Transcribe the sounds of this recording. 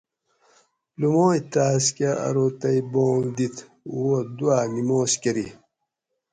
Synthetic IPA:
lumoːit̪aːskeɐ̰ɾoːt̪ɐjboːld̪it̪ʰ | uwod̪uaːnimoːskeɾḭ

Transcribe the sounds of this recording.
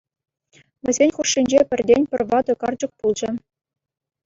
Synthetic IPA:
ʋʲɘ̆zʲenʲχuʂːinʲd͡ʑepʲɘ̆rʲdʲenʲpʲɘ̆rʲʋɑd̪ŏkɑrd͡ʑɤ̆k̚pulˠd͡ʑɤ̆

